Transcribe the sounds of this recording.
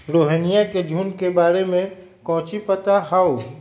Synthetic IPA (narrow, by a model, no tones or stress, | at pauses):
ɾoːɦənijaked͡ʒʱuːnkebaːɾemẽkɔ̃ɦt͡ʃipət̪aɦao